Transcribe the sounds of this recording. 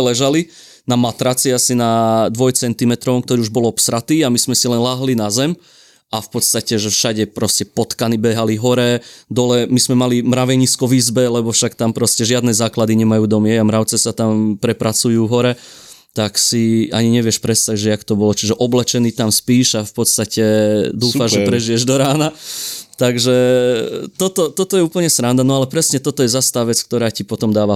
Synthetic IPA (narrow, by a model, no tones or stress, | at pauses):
ɛlɛʒali | namat̪ɾat͡siasinad̪ʋɔjt͡sɛnt̪imɛt̪ɾɔʋɔmk̚t̪ɔɾiːuʒbɔlɔpsɾat̪iːamiz̥mɛsilɛnlaːɦlinazɛm | afpɔt̪st̪acɛʒɛfʃaɟɛpɾɔscɛpɔt̪kanibɛɦaliɦɔɾɛd̪ɔlɛmizmɛmalimɾaʋɛɲiːskɔʋiːzbɛlɛbɔfʃakt̪ampɾɔscɛʒɪad̪nɛzaːklad̪iɲɛmajuːd̪ɔmɪɛamɾaʊt͡sɛsat̪ampɾɛpɾat͡sujuːɦɔɾɛ | t̪aksia̰ɲiɲɛʋɪɛʃpɾɛst̪acʒɛakt̪ɔbɔlɔt͡ʃiʒɛʔɔblɛt͡ʃɛniːt̪amspiːʃafpɔt̪st̪acɛd̪uːfaʒʒɛpɾɛʒijɛʒd̪ɔɾaːnat̪aɡʒɛ | t̪ɔt̪ɔt̪ɔt̪ɔjɛuːpl̩ɲɛsɾand̪anɔalɛpɾɛsɲɛt̪ɔt̪ɔjɛzast̪aːʋɛt͡skt̪ɔɾaːcipɔt̪ɔmd̪aːʋa